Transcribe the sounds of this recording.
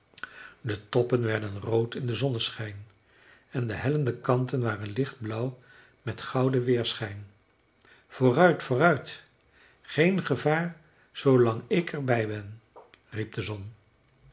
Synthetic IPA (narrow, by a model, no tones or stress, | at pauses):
dətɔpənʋɛɹdənrowtɪndəzɔnəsχɛjn | ɛndəɦɛləndəkɑntənʋaːrənlɪχd̚blʌw | mɛtχɑwdəʋɪːɹsχɛjn | v̥ʊːrœɥtfʊːrœɥt | χejnχəvaːɹ | z̥owlɑŋɪkʰɛɹbɛjbɛn | rip̚dəzɔn